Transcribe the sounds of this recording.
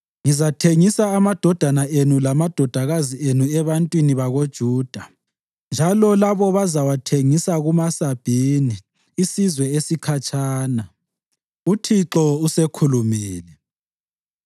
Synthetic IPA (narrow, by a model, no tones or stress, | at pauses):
ŋizatʰeŋisaːmad̥ʱɔd̥ʱanaʔenulamad̥ʱɔd̥ʱaɣazienuɛβantʼwiniβaɣod̥ʒ̥ʱuːd̥ʱa | nd͡ʒʱalɔlaβɔβazawatʰeŋisaɣumasab̥ʱiniː | sizwɛesikʰat͡ʃʰʼaːna | utʰiǁɔusekʰulumiːlɛ